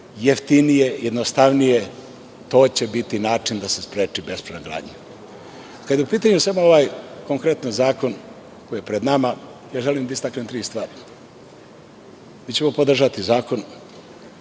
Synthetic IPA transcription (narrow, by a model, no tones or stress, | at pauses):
jeft̪inijejed̪nost̪aʋnije̞ | t̪o̞ːt͡ɕe̞bit̪inaːt͡ʃind̪ase̞spɾeːt͡ʃibe̞spɾenoɡɾa̰ːdɲe | kad̪jeupiːt̪aɲusamooʋaːjko̞ŋkɾe̞t̪nozaːko̞n | ko̞jijepɾed̪namajaːʒe̞limd̪aist̪aknemt̪ɾiːst̪vʋaːɾi | miːt͡ɕe̞mo̞pod̪r̩ʒat̪izaːko̞n